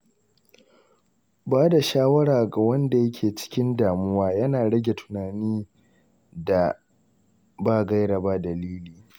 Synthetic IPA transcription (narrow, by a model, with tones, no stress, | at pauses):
baː˦da˨ʃaː˦wɐ˦ɽaː˨ɡa˨wɐ˦nda˨jɐ˦kʲʰeː˨t͡ʃɪ̥˦kʲɪ˦ndaː˨mʊ˦waː˦jɐ˦naː˨ɽɐ˦ɡʲe˨tʰʊ̥˨naː˨niː˦ | da˨ | baː˦˨ɡɐ˦jɽɐ˨ba˦dɐ˨liː˦liː˨